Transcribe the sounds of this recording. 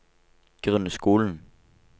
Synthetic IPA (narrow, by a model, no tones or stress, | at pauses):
ɡ̥ʁɛnəsɡ̥o̝ːln̩